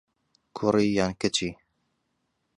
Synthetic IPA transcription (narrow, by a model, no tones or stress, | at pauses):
kʰʊɾijaːnkɛt͡ʃi